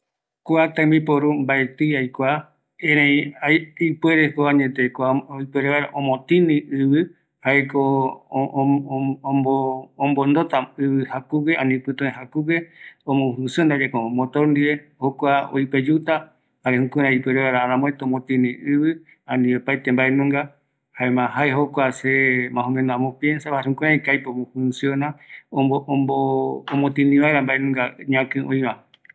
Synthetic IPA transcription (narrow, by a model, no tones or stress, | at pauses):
kuat̪ãmbipoɾumbaet̪ɨjajkʷa | ẽɾẽĩaipweɾekoaɲẽt̪ekʷaoipeɾeβaɾaʔõmõt̪ĩnĩɨβɨ | haeko | õːmbond̪ot̪aɨβɨhakukeãnĩpɨt̪õẽɦakukeõmõɦusɨnd̪ad͡ʒekomõt̪oɾnd̪ie | hokʷao̰jped͡ʒut̪a | haɾehũkũɾ̃ãipeɾeaɾaaɾãmõet̪oõmõt̪ĩnĩɨβɨ | ãnĩopajt̪embaenũŋɡa | haemãɦaeɦokʷasemãɦũmẽnoamopjensaβahaɾehũkũɾãikajpeomõhũnsionãooːmot̪ĩnĩβaeɾambaenũŋɡaɲãkɨ̃ʔõĩβã